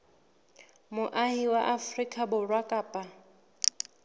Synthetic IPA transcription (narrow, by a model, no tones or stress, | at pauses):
mʊʔahiwaʔafrikʼabʊrwakʼaːpʼa